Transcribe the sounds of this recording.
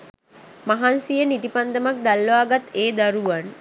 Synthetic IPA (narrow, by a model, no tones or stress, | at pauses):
maɦansijəniʈipand̪əmak̚d̪alːʋaːɡat̪eːd̪aɾuʋan